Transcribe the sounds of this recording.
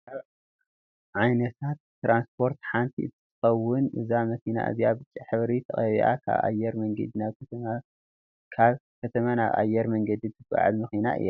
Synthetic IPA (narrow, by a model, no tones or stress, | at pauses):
kʰaβ | ʕajnɐt̪ʰat̪ːɾanspʰo̞ɾt̪ħant̪ʰiʔɨt̪ʰːɨt̪ʰɨ̥xɐwːʊnʔɨ̰zamɐkina̰ʔɨ̰zijabɨt͡ʃʼːiħɨβɾit̪ʰɐxʼɐβḭʔa̰kʰa̰βa̰jɛɾmɐŋɡɐd̪inaβ | kʰaβkʰɐt̪ʰɐmanaβʔa̰jɛɾmɐŋɡɐd̪it̪ʰɨfa̰ʕa̰lmɐxina̰ʔɨ̰ja